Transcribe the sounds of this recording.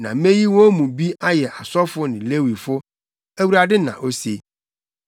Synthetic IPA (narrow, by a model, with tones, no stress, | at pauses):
nã̰˨mẽ˦ji˦wɔ̃˦mũ˨bi˦a˦jɛ˨ʔa˨sɔ˦fʊ˦nɪ̃˨le˦wi˨fʊ˦ | æ˦˨wu˨ɾa˨dɪ˦nã̰˨ʔo˦se˨˦